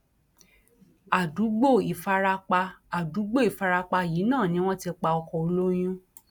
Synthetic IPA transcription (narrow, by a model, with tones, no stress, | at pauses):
a˨du˨˦ɡ͡bo˦˨i˨fa˧ɾa˧k͡pa˧a˨du˨˦ɡ͡bo˦˨i˨fa˧ɾa˧k͡pa˧jiː˨˦nãː˦˨nĩ˦w̃ɔ̃˦ti˧k͡pa˧ɔ˧kɔ˧o˧lo˦j̃ũ˦